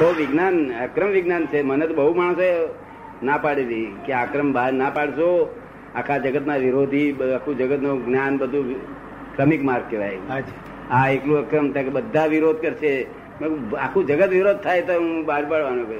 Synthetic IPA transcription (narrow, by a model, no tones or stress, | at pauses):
toʋɪɡnanəkɾəmʋɪɡnant͡ʃʰemənet̪õbəɦumaɳ̃soe | napaɽelikeakɾəmbaɾnapaɽʃo | akʰad͡ʒəɡət̪naʋiɾod̪ʱiakʰũd͡ʒəɡət̪noɡnjanbəd̪ʱũ | kɾəmikmaɾɡ̚keʋaj | aeklũəkɾəmt̪ãkebəd̪ʱːaʋiɾod̪̚kəɾʃʰe | meakʰũd͡ʒəɡət̪ʋiɾod̪̚t̪ʰajt̪oũbaɾpaɽʋanõk